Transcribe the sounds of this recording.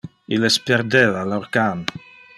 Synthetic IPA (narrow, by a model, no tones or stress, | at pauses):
ilespeɾd̪eːvaloɾkamp